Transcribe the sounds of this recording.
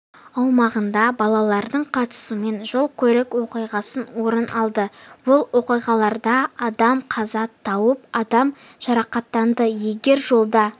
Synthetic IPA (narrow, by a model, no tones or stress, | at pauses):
ɑwmɑʁənd̪ɑbɑlˠɑlˠɑɾd̪əɴqʰɑt̪ə̥sume̞nʒo̞lˠkʲʰɵɾɪkwo̞qijʁɑsənwo̞ɾənɑlˠd̪əbʊlˠwo̞qijʁɑlˠɑɾd̪ɑɑd̪ɑmqʰɑzɑt̪ʰːɑwəp̚ɑd̪ɑm | ʒ̥ɑɾɑqɑt̪ːɑnd̪əje̞ɡʲe̞ɾʒo̞lˠd̪ɑ